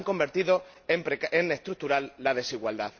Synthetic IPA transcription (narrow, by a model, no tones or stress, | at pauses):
ŋko̞mbe̞ɾt̪iðo̞ | empɾeene̞st̪ɾut̪uɾalːað̞e̞siɣwald̪að